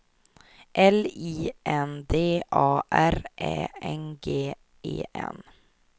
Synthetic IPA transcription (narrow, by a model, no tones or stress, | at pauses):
ʔɛliːʔɛnd̪eːʔɑːʔæɾʔɛːɛnɡeː | ʔḛːʔɛ̰n